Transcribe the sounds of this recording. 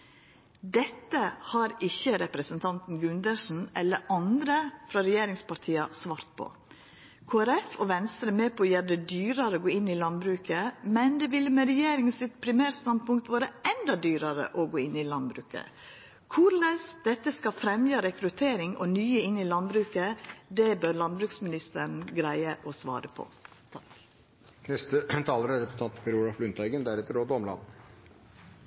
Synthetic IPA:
d̪ɛt̪ːəhɑɾɪçːəɾɛpɾəsənt̪ʰɑnt̪n̩ɡʉnd̪əʂn̩ɛlːəɾɑnd̪ɾəfɾɑɾɛjeːɾɪŋspʰɑɾt̪ʰiːɑsʋɑːɾt̪̚pʰo̰ | kʰoːæɾɛfɔʋɛnst̪ɾəmeːpʰɔjɛːɾd̪ɛd̪yːɾɑɾəoːɡoːɪnːɪlɑnbɾʉːkəmɛnd̪ɛʋɪlːəmɛɾɛjeːɾɪŋənsɪt̪̚pʰɾɪmæːɾst̪ɑn̚pʊŋkt̪ʋoːɾəɛnd̪ɑd̪yːɾəɾə̰ʔɔɡoːɪnːɪlɑnbɾʉːkə̰ | kʰʊɾɭəsd̪ɛt̪ːəskɑfɾɛmjəɑɾɛkɾʉt̪ʰeːɾɪŋɔnyːəɪnːilɑnbɾʉːkəd̪ɛbœɾlɑnbɾʉːksmɪnɪst̪ən̩ɡɾæɪəʔɔsʋɑ̰ːɾəpʰɔ̰t̪ʰɑk | nɛst̪ət̪ʰɑːləɾæɾɛpt̪ɑnt̪pʰɑɾuːlɑflʉnt̪æɪɡənd̪æɾɛt̪ːəɾoːd̪ɔmlɑ̰nː

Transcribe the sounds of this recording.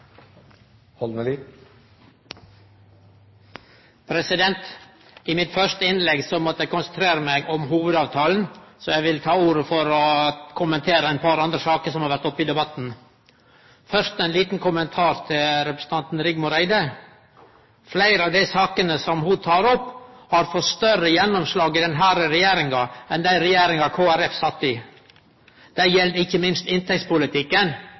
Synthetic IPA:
hɔlməli | pʰɾɛsɪd̪ɛnt̪ | ɪmɪt̪fœʂt̪əɪnlɛɡsɔmɔt̪əækʊnsənt̪ʰɾeːɾəmæɪɡɔmɦuːʋəd̪ɑːʋt̪ʰɑːln̩sɔjæʋɪlt̪ʰɑːuːɾəfɔɾɔkʰʊmənt̪ʰeːɾəæɪnpʰɑɾɑnd̪ɾəsɑːkəsɔmhɑɾʋæʈ̪ɔpːid̪ɛbɑt̪n̩ | fœʂt̪æɪnliːt̪n̩kʰʊmənt̪ʰɑːɾt̪ʰɪlɾɛpɾə̥sn̩ɑnt̪n̩ɾɪɡmʊɾæɪd̪ə | flæɪɾɑʋd̪æɪsɑːkənəsɔmhʊt̪ʰɑːɾɔpːhɑɾfɔst̪œɾəjɛnːʊmslɑːɡɪd̪ɛnɦæːɾəɾɛjeːɾɪŋɑɛnd̪æɪɾɛjeːɾɪŋɑkʰoːæɾɛfsɑt̪ːɪ | d̪̥æɪjɛld̪ɪçːəmɪnst̪ɪnt̪ʰɛkt̪spʊlɪt̪ʰɪkːən

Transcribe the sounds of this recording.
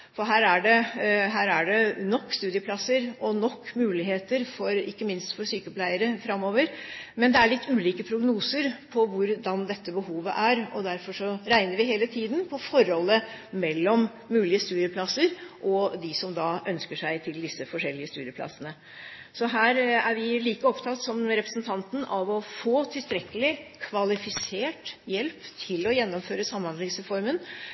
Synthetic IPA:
fɔɾɦæːɾæɖɛɦæːɾæɖɛnɔkːst̪ʉːd̪ɪəpʰlɑsəɾɔnɔkːmʉːlɪheːt̪əɾfɔɾɪkːəmɪnst̪fɔɾsyːkəpʰlæɪəɾəfɾɑmːoːʋəɾmɛnd̪ɛæɭɪt̪ːʉːliːkəpʰɾʊɡnuːsəɾpʰɔʋʊɾd̪ɑnd̪ɛt̪ːəbəhuːʋə̰ʔæɾɔd̪æɾfɔʂɔɾæɪnəɾʋɪɦeːlət̪ʰiːd̪npʰɔfɔɾhɔlːəmɛlːɔmː | ʉːlɪəst̪ʉːɾɪəpʰlɑsəɾʔɔd̪ɪsɔmd̪ɑːʔœnskəʂæɪt̪ʰɪld̪ɪsːəfɔʂɛlːɪəst̪ʉːɾjəplɑ̰sənə | sɔɦæːɾæɾʋɪliːkəɔpt̪ʰɑt̪ːsɔmɾɛpɾəsnt̪ʰɑnt̪n̩ɑʋɔfoːt̪ʰɪlst̪ɾɛkːəlɪkʰʋɑlɪfɪseːʈjɛlpt̪ʰɪlɔjɛnːɔmføːɾəsɑmːhɑnd̪ɪŋsɾɛfɔɾmən

